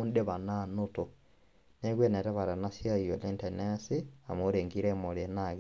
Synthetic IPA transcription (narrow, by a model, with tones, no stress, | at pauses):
u˦nde˦βa˨nano˦to˨ | ne˦ɣwe˦ne˨tɛ˦βa˨ɾa˨na˦sja˦i˨jo˨le˦nte˨ne˦si˦a̰˨mo˦ɾeː˨ŋɡiɾe˦mo˨ɾenaɣ